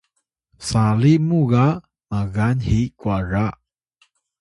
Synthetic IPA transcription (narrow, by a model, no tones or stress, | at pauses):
salimuɣa | maɣanhikwara